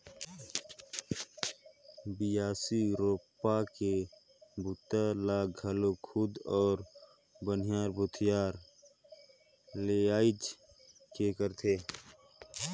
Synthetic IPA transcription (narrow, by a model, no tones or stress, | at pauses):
bɪjaːsiɾoːpake | bʊt̪alaːɡʱəlokʰʊd̪ɔːɾ | bən̤ɪjaːɾbʊt̪ʰɪjaːɾ | leaːɪd͡ʒ | kekəɾt̪ʰeː